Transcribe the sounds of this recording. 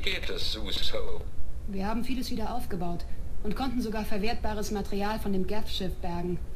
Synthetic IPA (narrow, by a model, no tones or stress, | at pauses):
ɡetəsz̥uːstoʊviːɐhaːbm̩fiːləsv̥iːdɐʔaʊfɡ̥əbaʊtʔʊntkʰɔntn̩zoɡaːɐfɛɐveːɐt̚b̥aːʁ̞əsmatɛʁiaːlfɔndeːmɡɛfʃɪfb̥ɛɐɡŋ̩